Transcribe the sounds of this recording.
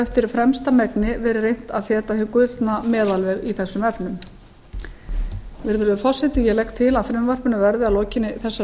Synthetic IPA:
ɛft̪ɪɾ̥fɾɛmst̪amɛknɪvɛːɾɪrejn̥t̪aðfɛːt̪ahɪŋkʏlt̪namɛːðalvɛɣiθɛsːʏmɛpnʏm | vɪɾðʏɾðʏfɔrsɛht̪ɪjɛlɛkt̪ʰɪlaðfɾɪmvar̥pʏnavɛɾðɪalɔːcɪnːɪθɛsːa

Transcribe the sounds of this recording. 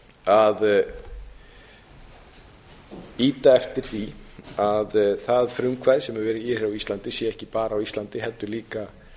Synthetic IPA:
að | iːt̪aɛft̪ɪɾ̥θiaðθaðfɾʏŋkʰvaðɪsɛmɛɾvɛːɾɪɪr̥awist̪lant̪ɪsjɛɛhcɪpaːɾaːwist̪lant̪ɪɦɛlt̪ːʏliːka

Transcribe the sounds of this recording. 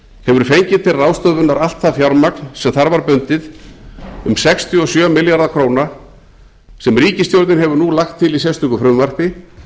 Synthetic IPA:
hɛvʏɾ̥fejɲcɪ̥t̪ʰɪlraːwst̪œvʏnːaɾal̥t̪θafjawɾmaknsɛmθaɾvaɾpʏnt̪ɪð | ʏmsɛkst̪ʰjiɔsjœːmɪljaɾðakʰɾoːwna | sɛmriːcɪst̪jowɾt̪nɪnɦɛvʏɾnulaxt̪ʰːɪlis̬ɛst̪ʏkʏfɾʏmvar̥pɪ

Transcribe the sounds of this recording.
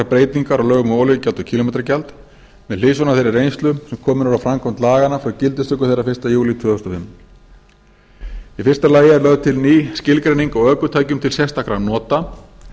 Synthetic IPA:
apɾeːjt̪niŋkaɾawlœːɣʏmoːwlʏccalt̪ʏcʰiːlomejt̪ɾacalt̪ | mɛðlɪːsɔnaθejɾɪɾejnst̪lʏsɛmkʰɔːmʏnaɾawfɾamkʰɔmnt̪laːɣanːafɾawcɪlt̪ʏst̪ʏkʏ̥θejrːafɪr̥st̪ajuːlɪit̪vœːðɔst̪ɔfɪm | ifɪr̥st̪alaːjɪɛɾlœɣt̪ʰɪlniːscɪlkɾejniŋkawœːkʏt̪ʰaːjcʏmt̪ʰɪlsjɛst̪akɾanɔːt̪a

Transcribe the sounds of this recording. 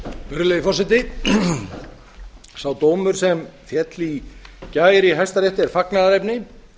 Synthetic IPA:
mʏɾleðɪfɔrsɪt̪ɪ | sawt̪oːwmʏɾ̥sɛmfjɛt̪licaːjɾɪɦajst̪aɾjeht̪ɪɛɾfaknaðaɾejpnɪ

